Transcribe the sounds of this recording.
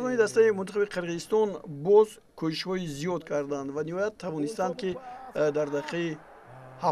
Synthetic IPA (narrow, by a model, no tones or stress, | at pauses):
dɔnid̪ast̪aimunt̪ʰaχabiqʰiɾʁizist̪ɔnbɔz | kʰuʃiʃhɔizijɔd̪kʰaɾd̪and̪vanihɔjat̪ʰːavɔnist̪and̪̚kid̪aɾd̪aqʰei | ha